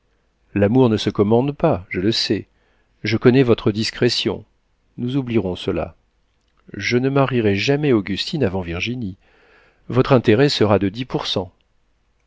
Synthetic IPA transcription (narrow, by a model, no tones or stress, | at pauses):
lamuʁnəsəkɔmɑ̃d̪paʒələsɛ | ʒəkɔnɛvɔt̪χəd̪iskχɛsjɔ̰̃ | nuzubliʁɔ̃səla̰ | ʒənəmaʁiʁɛʒamɛoɡʲyst̪ʰinavɑ̃viʁʒini | vɔt̪χɛ̃t̪eʁɛsəʁad̪əd̪ipuʁsɑ̃